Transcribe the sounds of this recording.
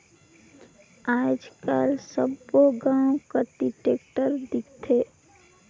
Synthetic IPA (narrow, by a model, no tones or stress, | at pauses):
aːd͡ʒkaːlsəboɡãːõkaʈiʈeːkʈəɾd̪ɪkt̪ʰe